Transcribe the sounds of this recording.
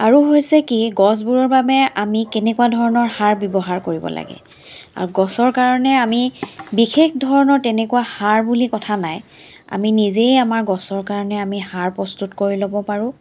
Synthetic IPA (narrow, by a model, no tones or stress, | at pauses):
aɹuɦojsɛkiɡɔs̬buɹɔɹbabɛamikɛnɛkuadʱɔɹɔnɔɹhaɹbjɔbɔɦaɹkoɹibɔ̰la̰ɡɛ̰ | a̰ɹuɡɔsɔɹkaɹɔnɛamibixexdʱɔɹɔnɔɹtɛnɛkuwahaɹbulikɔtʰanaj | a̰minizejamaɹɡɔsɔɹkaɹɔnɛamihaɹpɹɔstutkoɹilobɔpaɹʊ̃